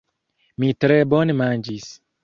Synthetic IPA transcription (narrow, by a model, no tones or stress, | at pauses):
mitɾebɔnemand͡ʒis